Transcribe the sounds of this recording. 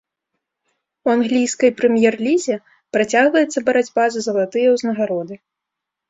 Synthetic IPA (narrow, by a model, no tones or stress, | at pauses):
wanɣlʲijskɐjpɾɛmʲjɛrlʲizʲɛ | pɾat͡sʲaɣvɐjɛt̪sːɐbɐɾad͡zʲbazɨzɐlˠat̪ɨjɛwznɐɣaɾɔd̪ɨ